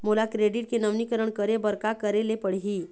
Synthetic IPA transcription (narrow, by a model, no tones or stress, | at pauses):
molakɾeɖiʈ̚kenəʋnikəɾəɳkəɾebəɾkakəɾelepəɽɦiː